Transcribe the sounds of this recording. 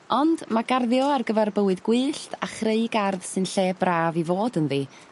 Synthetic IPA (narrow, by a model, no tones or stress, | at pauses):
ɔnd̥maɡarðjɔarɡəvɛrbəwɨðɡwɨːɬtʰaχreɨɡarðsɨnɬeːbraːvivoːdənðiː